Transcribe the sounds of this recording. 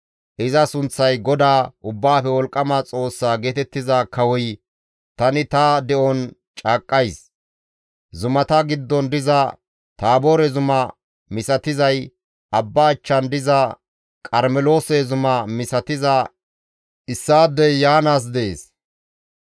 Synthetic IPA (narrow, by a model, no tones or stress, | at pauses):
ʔɪzɐsʊnt͡sːɐjɡɔd̪aːʔʊbːaːfɛwɔlkʼːɐmat͡sʼo̞ːsːaːɡeːt̪ɛt̪ːɪzaːkɐwɔj | t̪ɐnɪt̪ɐd̪ɛʔɔnt͡ʃʼaːkʼːɐjs | zʊmɐt̪ɐɡɪd̪ːɔnd̪ɪzɐ | t̪aːboːɾɛzʊmɐ | mɪsɐt̪ɪzɐj | ʔɐbːaːt͡ʃːɐnd̪ɪzɐ | kʼɐɾmɛlo̞ːsɛzʊmɐmɪsɐt̪ɪzɐ | ʔɪsːaːd̪ɛjjaːnaːs̬d̪ɛḛːs